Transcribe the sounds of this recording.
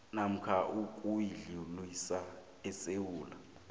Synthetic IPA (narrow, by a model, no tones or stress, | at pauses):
nam̩kʰaʔukʼujiɮilwisa | ɛsewuːla̰